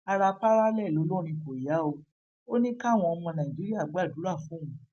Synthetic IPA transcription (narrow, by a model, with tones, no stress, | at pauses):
a˧ɾa˧pa˦ɾa˦lɛ˦˨lo˨˦lɔ˦˨ɾ̃ĩ˧ko˨i˨ja˨˦o˧ | o˦nĩ˦ka˦˨w̃ɔ̃˧ɔ˧mɔ̃˧nã˨i˨d͡ʒi˨˦ɾi˦a˦˨ɡ͡ba˦˨du˨˦ɾa˦˨fũ˨˦ũ˨˦